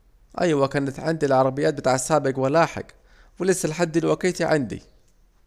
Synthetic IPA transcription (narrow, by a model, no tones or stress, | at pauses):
ʔa̰jwakanat̪ʕɪnd̪ilʕɑɾˤɑbɪjːaːt̪̚bɪt̪aːʕsːaːbɪɡwalaːħɪ̰ɡ | wɪlɪsːalħad̪ːɪlwakiːt̪iʕɪnd̪ḭ